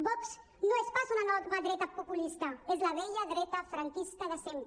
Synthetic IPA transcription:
bɔks | noespasunanɔt̪ɣaðɾɛt̪apupulist̪aezlaβɛʎaðɾɛt̪afɾaŋkiskaðasem

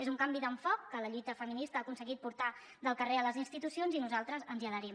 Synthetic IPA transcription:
ezuŋkambiðəɱfɔkːələʎujt̪əfəminist̪əːkunsəɣit̪̚puɾt̪a | d̪əlˠkəreələzinst̪it̪usionzinuzalˠt̪ɾəzənziələɾim

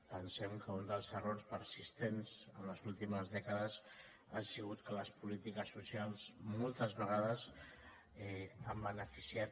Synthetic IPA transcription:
pənsɛmkəund̪əlˠzəroɾspəɾsist̪enzənləzulˠt̪iməzðɛkəðəz | asiɣut̪kələspulit̪ikəsːusialˠzmolˠt̪əzβəɣ̞aðəz | ɛambənəfisiat̪̚

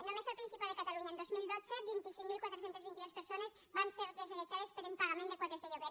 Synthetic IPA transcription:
nomesalpɾinsipaðekat̪aluɲaend̪ozmilˠd̪ot̪t͡sebint̪isiŋmilˠkwat̪ɾes̬ent̪ezβint̪iðospeɾsonez | βanseɾðezelet͡ʃaðespeɾempaɣamẽnekwat̪ezðeʎeβe

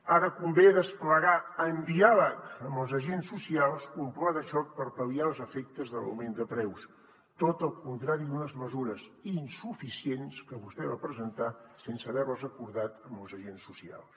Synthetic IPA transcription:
aɾəkumbeðəspləɣaəmbiaβəəməlˠzəʒensːusialˠskumplaðəʃɔk̚pəɾpəliaəlˠzəfɛk̚t̪əzðələ̰wmend̪əpɾɛws | t̪ot̪əlˠkunt̪ɾaɾid̪unəzməzuɾəzinsufisienskəβust̪ɛβapɾəzənt̪asensəβɛrləzəkuɾðat̪əmbəlˠzəʒensːusia̰lˠs

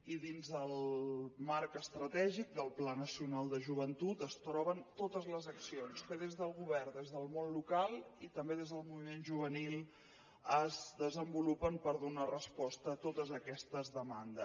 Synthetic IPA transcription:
iðinzðəlˠmaɾkəst̪ɾət̪ɛʒik̚d̪əlˠplanəsiunalˠd̪əʒuβ̞ənt̪ut̪əst̪ɾɔβənt̪ot̪əzləzəksionskəðezðəlˠɣuβɛrnd̪ezðəlˠmonlukalˠit̪əmbeðezðəlˠmuβimenʒuβ̞ənilˠ | əzðəzəmbulupəmpəɾðunarəspɔst̪əːt̪ot̪əzəkɛst̪əzðəmand̪ə

